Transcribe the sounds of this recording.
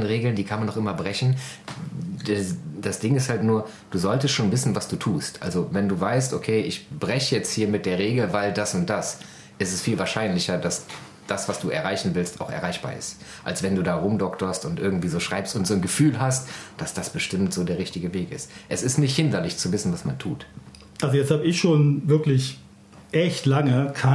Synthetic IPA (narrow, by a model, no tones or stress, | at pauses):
nʁeːɡl̩ndiːkʰanmandɔχʔɪmɐbʁɛçn̩ | dɛd̥asd̥ɪŋɪsthaltnuːɐ | d̥uːzɔltəstʃoːnvɪsn̩vasd̥uːtʰuːstʔa̰lzovɛnduːvaɪstʔokʰeːʔɪçb̥ʁɛçəjɛt͡sthiːɐmɪt̚d̥eːɐʁ̞eːɡl̩vaɪld̥asʊnt̚d̥as | ʔɪstɛsfiːlvaːɐʃaɪnlɪçɐdas | d̥asv̥asd̥uːɛ̰ɐʁaɪçn̩vɪlsta̰ʊxɛ̰ɐʁaɪçb̥a̰ːɐɪ̰st | ʔa̰lsv̥ɛnduːdaːʁʊmdɔktʰoɐstʊntʔɪɐɡŋ̩tv̥iːzoːʃʁ̥aɪpstʊntz̥oːnɡəfyːlɦast̚d̥asd̥asb̥əʃtɪmtz̥oːdeːɐʁɪçtɪɡəveːkɪstʔɛsɪstnɪçthɪndɐlɪçt͡suvɪsn̩vasmantʰṵːt | ʔalzojɛt͡sthaːbəɪçʃoːnvɪɐklɪç | ʔɛçtlaŋəkʰa